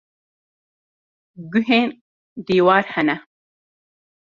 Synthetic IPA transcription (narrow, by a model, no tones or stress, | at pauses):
ɡuɦeːn | d̪iːwaːɾhɐnɐ